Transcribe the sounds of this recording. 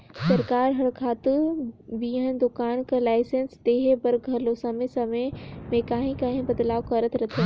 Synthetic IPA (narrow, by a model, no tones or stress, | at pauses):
sɐɾkaːɾɦɐɽkʰaːt̪ɪbiːɦənd̪ʊkaːnkəlaːɪsẽnst̪eːɦebɐɾʱɐlosɐmesɐmemẽkaːɦĩkaːɦɪ̃bɐd̪laːokɐɾət̪ʰɾɐt̪ʰi